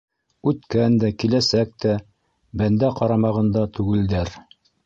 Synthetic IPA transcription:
ʉt̪kænd̪ækilæsæk̚t̪æ | bænd̪æqɑɾɑmɑʁɤ̆nd̪ɑt̪ʉɡɘ̆ld̪æɾ

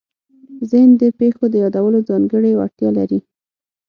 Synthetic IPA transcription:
zɪhnd̪əpexod̪əjɑd̪awəlod͡zɑŋɡəɽewa̰t̪jɑlaɾi

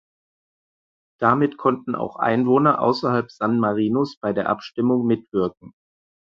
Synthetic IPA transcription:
d̥amɪtkʰɔntn̩a̰ʊxʔa̰ɪnvoːnɐʔa̰ʊsɐhalpz̥anmaʁiːnosb̥aɪdeːɐʔapʃtɪmʊŋmɪtv̥ɪɐk̚ŋ̩

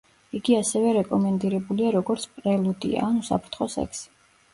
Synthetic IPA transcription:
iɡiasɛvɛɾɛkʼɔmɛnd̪iɾɛbuliaɾɔɡɔɾt̪sʰpʼɾɛlˠud̪ḭa̰ːnusa̰pʰɾt̪ʰχɔsɛ̰ksi̥

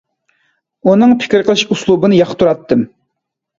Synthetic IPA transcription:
unɨŋpʰɪ̥kʲiɾqʰəlˠɨʃuslˠubɨnɨjɑχt̪ʰːuɾɑt̪ːɨm

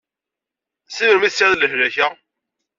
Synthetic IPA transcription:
sivəɾmisːiðləɦlæçæ

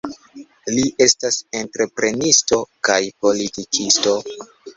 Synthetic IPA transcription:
liʔe̞stase̞ntɾe̞pɾe̞nisto̞kajpo̞litikʰisto̞

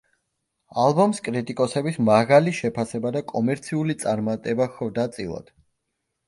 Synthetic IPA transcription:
alˠbɔmskʼɾit̪ʼikʼɔsɛbismaʁaliʃɛpʰasɛbad̪akʼɔmɛɾt̪sʰiulit̪sʼaɾmat̪ʼɛbaxɔvd̪at̪sʼḭlˠa̰d̪̥

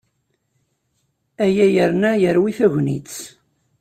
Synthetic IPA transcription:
æjæjəɾnæjəɾwiθæʝnḭt͡s

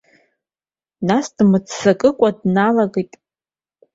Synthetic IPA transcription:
nasd̥mɨt͡sʰsakʼɨkʷʼadnalaɡejtʼ

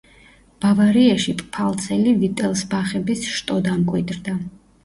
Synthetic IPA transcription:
b̥avaɾiaʃipʼpʰalˠt̪sʰɛlivit̪ʼɛlˠsbaχɛbisʃt̪ʼɔd̪amkʼwid̪ɾd̪a

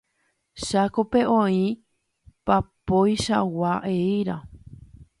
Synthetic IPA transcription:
ʃakope̞ʔõĩ | papojʃawaʔeiɾa

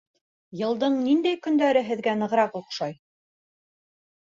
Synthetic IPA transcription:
jɤ̆lˠd̪ɤɴnind̪æjkɵ̆nd̪æɾɘɦɘ̆ðɡænɤ̆ʁɾɑquqʃɑj

